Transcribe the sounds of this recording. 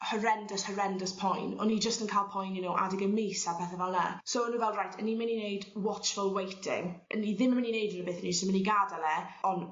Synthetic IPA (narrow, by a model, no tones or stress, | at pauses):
həɾɛndəshəɾɛndəspʰɔjnɔ̰nid͡ʒəstənkʰajlˠpʰɔjnjɛnowʔa̰dɪɡəmejsapʰɛθəvɛlˠnasoənuːvɛlˠdrajtʰənːimɪninejdwɔt͡ʃfʊlˠwejtʰɪ̰ŋə̰niðɪməmɪninejdənəbeːθənisomɪniɡadalɛɔn